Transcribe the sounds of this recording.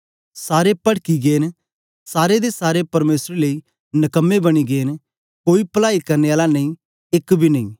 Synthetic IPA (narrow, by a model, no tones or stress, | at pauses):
saːɾepɐɽkiɡeːn | saːɾed̪esaːɾepɐɾmeːsɾelei | nɐkəmːebɐɽ̃iɡeːn | koːipəlaːikɐɾneaːlanɐ̃ĩ | ɪkbʱinɐ̃ḭ̃ː